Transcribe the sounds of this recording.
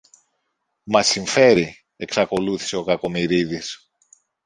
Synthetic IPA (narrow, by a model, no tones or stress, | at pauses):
mɐsiɱfe̞ɾi | e̞ksɐko̞luθi̥se̞o̞kɐko̞miɾiðis